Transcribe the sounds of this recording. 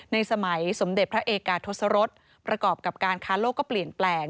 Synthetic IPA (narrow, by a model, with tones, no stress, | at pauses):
na˧jsa˧ma˩˦jso˩˦mde˨˩t̪̚pʰɾa˦˥ʔeː˧kaː˨˩t̪ʰːo˦˥t̪sa˧˥ɾo˦˥t̪̚ | pɾa˧kɔː˨˩p̚ka˨˩p̚kaː˧nkʰaː˦˥loː˥˩kːɔː˥˩pli˨˩ənplɛː˧ŋ